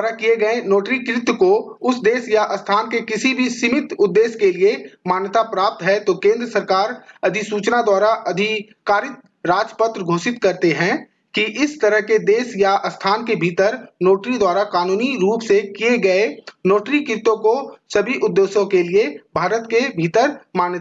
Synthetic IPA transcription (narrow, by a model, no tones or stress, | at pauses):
ɾakieɡɐenoːʈɾikɾɪt̪koʊsd̪eːsjaʔɐst̪ʰaːnkekɪsibʱisɪmɪt̪ʊd̪ːeːskeliemaːnt̪apɾaːp̚t̪ɦɛt̪okẽːnd̪ɾəsəɾkaːɾɐd̪ʱisuːt͡ʃnad̪waːɾaʔɐd̪ʱi | kaːɾɪt̪̚ | ɾaːd͡ʒpət̪ɾəɡʱoːsɪt̪kɐɾt̪eɦɛ̃ | kiʔɪst̪ɐɾəɦked̪eːsjaʔɐst̪ʰaːnkebʱiːt̪əɾnoːʈɾid̪waːɾakaːnuːniɾuːpsekieɡɐenoːʈɾikɾɪt̪õkosɐbʱiʔʊd̪ːeːʃõkeliebʱaːɾət̪kebʱiːt̪əɾmaːnjət̪a